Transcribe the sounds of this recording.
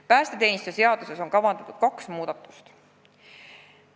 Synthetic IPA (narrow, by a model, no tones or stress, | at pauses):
pæːst̪e̞t̪e̞ːnist̪ujese̞ɑd̪̥use̞so̞nkɑvɑnd̪ɑt̪ːˑud̪̥̚kɑksmuːd̪̥ɑt̪ːˑu̥st̪